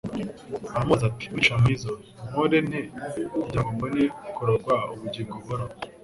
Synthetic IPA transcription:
amazati̥miʃamwiːzo | modeneɟamombonekoɾoɡwauβuɟiŋɡoβoɾa

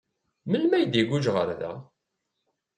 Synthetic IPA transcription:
məlmæjd̪iɡuʒʁə̰ɾðæ̰

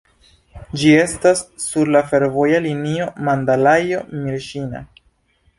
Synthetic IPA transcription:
d͡ʒie̞stasːuɾlafe̞ɾvo̞jalinio̞mandalajo̞miɾʃina̰

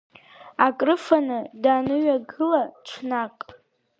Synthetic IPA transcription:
akʼrɨfanɨdaːnɨɥaɡɨlat͡ʃʷʰnakʼ

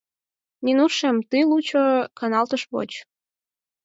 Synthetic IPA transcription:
ninuʃemt̪ɨlut͡ɕokɑnɑlt̪əʃβo̰t͡ɕ

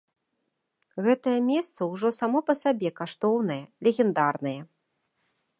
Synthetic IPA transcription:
ɣɛt̪ɐjɐmʲɛst̪sɐwʐɔsamɔpɐsabʲɛkaʂt̪ɔwnɐjɐlʲeɣʲɛnd̪arnɐjɐ

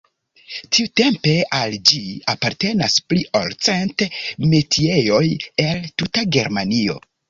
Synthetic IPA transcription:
tʰiute̞mpe̞ald͡ʒiapaɾte̞naspliʔo̰lt͡senteme̞tʰie̞jo̞je̞ltutaɡe̞̰ɾmanio̞̰

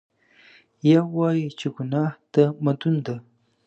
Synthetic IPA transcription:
jawajt͡ʃɪɡʊnaht̪amad̪ʊnd̪a

